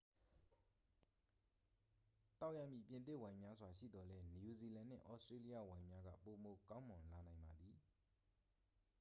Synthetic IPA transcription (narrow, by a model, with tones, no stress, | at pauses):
t̪a˦ʊʔja˦˨mjḭ˦˨pjɪ̃˨nt̪̬ɪ˦˨wã˨ɪ̃mja˦zwa˨ʃḭ˦˨d̪ɔ˨lɛ˦n˨ju˨zi˨lã˨n̥ɪ̰̃˦˨ʔɔ̰˦ʔstɹe˦li˦ja̰˦˨wã˨ɪ̃mja˦ɡa̰˦˨po˨mo˨kã˦ʊ̃mʊ̃˨nla˨nã˨ɪ̃mba˨d̪i˨